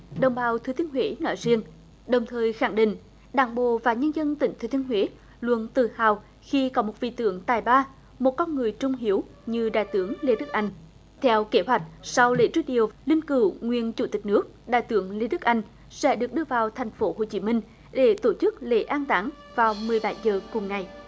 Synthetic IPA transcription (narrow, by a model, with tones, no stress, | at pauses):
ɗə˨˩wŋ͡mɓaː˨˦wt̪ʰɨ˧˩t̪i˧ənɦwe˨˦nɔ̰a̰˧˦jzi˧əŋ | ɗə˨˩wŋ͡mt̪ʰəː˨˩jxa˧˩ŋɗḭ̈˧˨ŋ̟ | ɗaː˧˩ŋɓo̰˧˨vaː˨˩ɲə˧nzə˧nt̪ï˧˩ŋ̟t̪ʰːt̪i˧ənɦwe˨˦ | lwə̰˧˨nt̪ɨ˨˩haː˨˩w | xi˧kɔ˨˦mo˨˩t̚vḭ˧˨t̪ɨ̰˧˥əŋt̪aː˨˩jɓaː˧ | mo˨˩t̚kɔ˧nŋɨ˨˩əjt͡ɕʊ˧ŋ͡mɦi˨˦əw | ɲɨ˧ɗa̰ː˧˨jt̪ɨ˧˦əŋle˧˦ɗɨ˦˥k̚ʔa˧jŋ̟ | t̪ʰɛ˧wke˧˦ɦwa˨˩jk̟̚sa˧wlḛ˧˥˦t͡ɕu˧ɗi˨˩əwlï˧ŋkɨ̰˧˩ŋwḭ˨ənt͡ɕu˧˩t̪i˨˩k̟̚nɨ˦˥ək̚ɗa̰ː˧˨jt̪ɨ˧˦əŋle˨˦ɗɨ˦˥k̚ʔa˧jŋ̟ | sɛ̰˧˥ɗɨ˨˩ək̚ɗɨ˧əvaː˨˩wt̪ʰa˨˩jŋ̟fo˨˦ho̰˧˨˩t͡ɕi˨˦mï˧ŋ̟ | ɗe˧˩t̪o˧˩t͡ɕɨ˦˥k̚le˧˦ʔaː˧nt̪aː˨˦ŋ | vaː˨˩wmɨ˨˩əjɓa˧˩jzəː˨˩kʊ˨˩ŋ͡mŋa˨˩j